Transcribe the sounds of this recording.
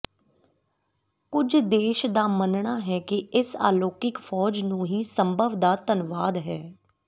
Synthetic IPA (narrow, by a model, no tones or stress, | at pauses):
kʊd͡ʒd̪eːʃd̪aːmənɳaːɦɛːkɪʔɪsa̰ːloːkɪkfʰɔːd͡ʒnũːɦiːsəmbʱəʋd̪aːt̪ənʋaːd̪ɦɛː